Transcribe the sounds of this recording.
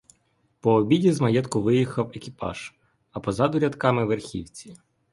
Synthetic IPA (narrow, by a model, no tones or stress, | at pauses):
pɔːbʲidʲizmɐjɛt̪kʊʋɪjixɐwekʲipɑ̰ʒ̥ | ɐpɔzɑd̪ʊɾʲɐd̪kɑmɪʋerxʲḭwt͡sʲi̥